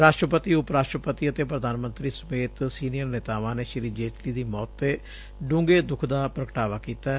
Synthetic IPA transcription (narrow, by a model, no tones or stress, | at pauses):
ɾaːʃʈɾəpət̪iːʊpɾaːʃʈɾəpət̪iːət̪eːpɾəd̪aːnmənt̪ɾiːsəmeːt̪siːnɪjəɾneːt̪aːʋãːneːʃɪɾiːd͡ʒeːʈliːd̪iːmɔːt̪ːeː | ɖʊ̃ːŋɡeːd̪ʊkʰd̪aːpɾəkəʈaːʋaːkiːt̪aː